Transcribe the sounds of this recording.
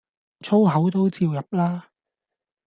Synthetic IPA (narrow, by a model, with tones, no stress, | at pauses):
t͡ʃʰo˥wɦɐ˨˥wt̪o˥wt͡siː˧wjɐ˨p̚laː˥